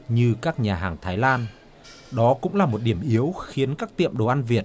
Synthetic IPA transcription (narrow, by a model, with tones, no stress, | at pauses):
ɲɨ˧kaː˦˥k̚ɲaː˨˩ɦaː˨˩ŋt̪ʰaː˨˦jlaː˧n | ɗɔ˨˦kʊ̰˧˥ŋ͡mlaː˨˩mo˨˩t̚ɗi˧˩əmʔi˨˦əwxi˨˦ənkaː˦˥k̚t̪ḭ˧˨əmɗo˨˩ʔa˧nvi˨˩ət̚